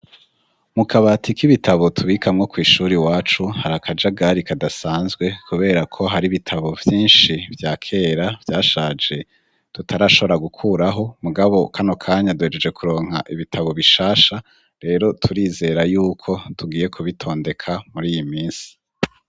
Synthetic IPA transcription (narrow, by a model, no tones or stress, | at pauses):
mukʰaβatʰikiβitaβo̞tʰuβiːkamŋo̞kwiːʃuːɾiwaːt͡ʃuhaɾakʰad͡ʒaɡaɾikadasaːnzɡwe̞kʰuβe̞ːɾakʰo̞ɦaɾiβitʰaβo̞vjiːnʃivjaːkʰe̞ːɾavjaːʃaːd͡ʒe̞ | tutʰaɾaːʃo̞βo̞ɾaɡukʰuːɾaɦo̞muɡaβo̞kʰano̞kʰaːɲaduhe̞d͡ʒe̞d͡ʒe̞kuɾo̞ːŋha̰ʔiβitʰaβo̞βiʃaːʃa | ɾe̞ːɾo̞tʰuɾiːze̞ːɾajuːkʰo̞tuɡiːje̞kʰuβitʰo̞ːnde̞kʰamuɾiːjimiːnsi̥